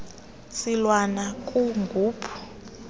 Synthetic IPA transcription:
silwanakʼuŋɡʱuːpʰu̥

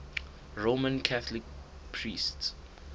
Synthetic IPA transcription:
ɹomə̃nkʰaθlɪk̚ | pʰɹists

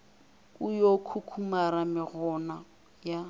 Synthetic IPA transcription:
ʊjokʰukʰumaɾamɪɣɔna | ja

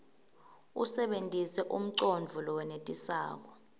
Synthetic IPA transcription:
usɛɓentʼisɛʔum̩ǀond͡vʱulɔwɛnetʼisa̰ːk̬ɔ

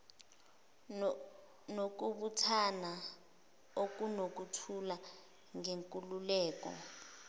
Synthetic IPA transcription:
nok̬uɓutʰana | ok̬ʼunok̬utʰula | ŋeŋkʼululɛːk̬ɔ̰

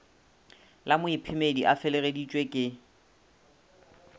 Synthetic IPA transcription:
lamʊipʰɪmediʔafɛleɣedit͡ʃʼwekʼɪ

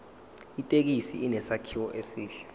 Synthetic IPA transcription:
itʼek̬isḭinɛsakʰiwɔʔesiːɬɛ̥

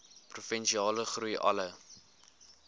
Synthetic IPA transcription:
prufɛnʃiɑːləχrujʔɐ̰lə

